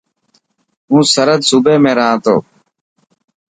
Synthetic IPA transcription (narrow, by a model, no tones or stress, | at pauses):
ɦũːsəɾəd̪suːbeːmẽːɾəɦãːt̪o̰ː